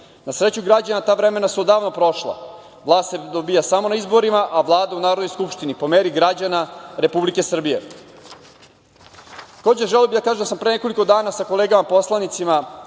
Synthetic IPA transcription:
nasɾet͡ɕuɡɾad͡ʑanat̪aːʋɾeme̞nasuod̪aːʋno̞pɾo̞ʃlˠa̰ | ʋlˠaːst̪sed̪obijasamo̞naizbo̞ɾimaʔaʋlˠaːd̪aunaːɾod̪nojskupʃt̪inipo̞meːɾiɡɾad͡ʑanaɾe̞publike̞sr̩bije̞̰ | t̪ako̞ːd͡ʑeʒelijobid̪akaːʒed̪asampɾene̞ko̞liko̞d̪aːnasako̞leːɡamapo̞slˠanit̪sima

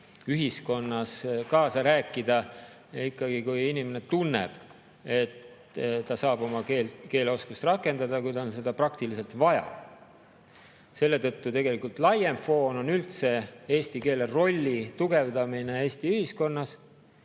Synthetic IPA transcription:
yɦisko̞nːɑskɑːsɑɾæːkːˑid̪̥ɑ | ikːɑɡ̥ikujinime̞ne̞t̪unːe̞̰b̥ | e̞t̪ | t̪ɑsɑːb̥o̞mɑkeːlke̞ːleo̞skust̪rɑkːˑe̞nd̪̥ɑd̪ɑkujd̪ɑonse̞d̪ɑprɑkt̪ilise̞lt̪vɑjɑ̰ | se̞lːe̞t̪ɤt̪ːut̪e̞ɡe̞likult̪lɑje̞mfo̞ːno̞nylt̪se̞e̞ːsʲt̪ike̞ːle̞ro̞lʲːit̪uɡ̥e̞vd̪ɑmine̞e̞ːsʲt̪iyhisko̞nːɑs

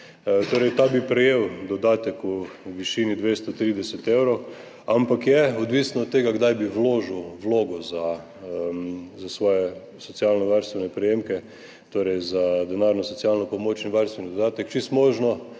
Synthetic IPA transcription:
t̪oːɾɛɪjt̪aːbipɾɛjewd̪ɔd̪aːt̪ɛkuʋiʃiːnid̪ʋest̪ɔt̪ɾiːd̪ɛsɛt̪ewɾow | ampakjɛɔd̪ʋiːsnɔːt̪ːeːɡaɡd̪ajbiʋloːʒuwʋloːɡɔza | zasʋɔːjɛ | sɔt͡s̪ialnɔʋaɾst̪ʋɛnɛpɾɛjemkɛ | t̪oɾɛjzad̪ɛnaɾnɔsɔt̪t͡s̪ialnɔpomoːt͡ʃinʋaɾst̪ʋɛnid̪od̪aːt̪ɛkt͡ʃist̪moʒnɔ

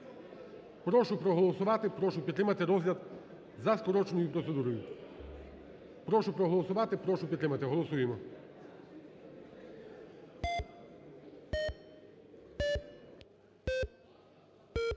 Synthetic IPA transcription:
pɾɔʃʊpɾɔɦɔlˠɔsʊʋɑt̪ɪpɾɔʃʊpʲt̪ɾɪmɐt̪ɪɾɔzɦlʲɐd̪ | zɐskɔɾɔt͡ʃenɔjʊpɾɔt̪se̞d̪uɾɔjʊ | pɾɔʃʊpɾɔɦɔlˠɔsʊʋɑt̪ɪpɾɔʃʊpʲt̪ɾɪmɐt̪ɪɦɔlˠɔsujemɔ

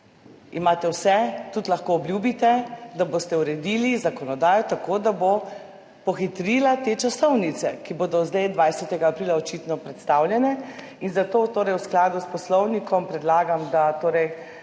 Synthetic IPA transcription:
imaːt̪ɛwsɛt̪ut̪laxkoːbljuːbit̪ɛd̪abost̪ɛuɾɛd̪iːlizakɔnɔd̪aːjɔt̪akoːd̪abo | pɔxit̪ɾilat̪et͡ʃasɔwnit̪sɛkiboːd̪ɔzd̪ajd̪ʋajsɛt̪ɛɡaːpɾiːlaɔt͡ʃit̪nɔpɾɛt̪st̪awlʲjɛnɛ | inzat̪oːt̪oːɾɛjwsklaːd̪uspɔslɔwnikʰɔmpɾɛd̪laːɡamd̪at̪oːɾɛj

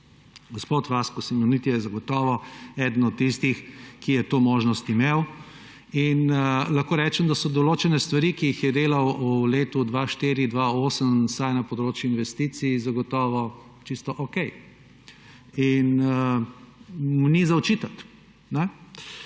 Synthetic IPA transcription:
ɡɔspoːt̪ʋaskɔsimɛnit̪jɛjɛzɐɡɔt̪ɔːʋɔɛd̪ən̩ɔt̪̚ːist̪ixkijɛt̪oːmoːʒnɔst̪imeːw | inlɐxkoːɾɛːt͡ʃɛmd̪asɔd̪ɔloːt͡ʃɛnɛst̪ʋaɾikiixjɛd̪eːlɐwuleːt̪ud̪ʋaʃt̪iːɾid̪ʋaoːsəmsajnɐpɔd̪ɾoːt͡ʃjuinʋɛst̪iːt̪sizɐɡɔt̪ɔːʋɔ | t͡ʃist̪ɔʔokɛj | inə | mnizaɔt͡ʃiːt̪ɐt̪ | nɛ

